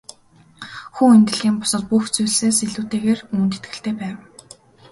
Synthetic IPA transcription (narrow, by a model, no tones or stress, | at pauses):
xuːent̪ɘ̆ɮɣiːmpʊ̥sɞ̆t̪̚puxt͡sujɮseːseɮuːt̪eːɣeːruːnt̪et̪̚ɡɘ̆ɬt̪eːpæːw